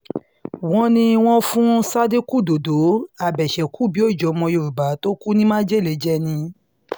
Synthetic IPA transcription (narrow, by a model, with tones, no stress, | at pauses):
w̃ɔ̃˧nĩ˧w̃ɔ̃˦fũ˦sa˦de˦ku˦˨do˨do˨˦a˦˨bɛ˨ʃɛ˨ku˦˨bi˨˦o˦˨d͡ʒɔ˨˦mɔ̃˧jo˧˨ɾu˨ba˨˦to˦ku˦nĩ˦mã˦d͡ʒe˦˨le˨˦d͡ʒɛ˦nĩ˧